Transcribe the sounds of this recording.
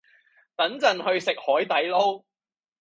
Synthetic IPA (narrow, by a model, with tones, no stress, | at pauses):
t̪ɐ˨˥nt͡sɐ˨nhɵ˧ɥsɪ˨k̚hɔː˨˥jt̪ɐ˨˥jlo˥w